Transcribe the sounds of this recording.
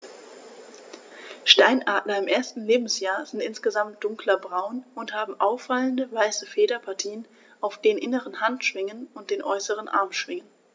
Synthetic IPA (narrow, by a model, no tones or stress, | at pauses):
ʃtaɪnʔaːɐtnɐɪmʔeːɐstn̩leːbm̩sjaːɐzɪntʔɪnsɡ̥əzamt̚d̥ʊŋklɐbʁaʊnʊnthaːbm̩ʔaʊfːaləndəvaɪsəfeːɾɐpʰaɐtʰiːən | ʔaʊfd̥eːənʔɪnəʁənhantʃv̥ɪŋənʊnt̚d̥eːnʔɔʏsəʁ̞ənʔa̰ɐmʃv̥ɪŋən